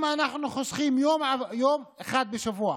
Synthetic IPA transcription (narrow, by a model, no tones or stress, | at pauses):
maʔanaħnuxʊsˤxiːmjoːmʕajoːmxaːd̪̚bɪʃʊvuːʕ